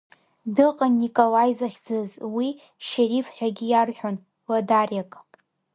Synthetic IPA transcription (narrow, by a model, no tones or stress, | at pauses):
dɨqʼanːikʼolajzaχʲd͡zɨzwi | ʃerifħʷᶣaɡʲijarħᶣon | ladarjakʼ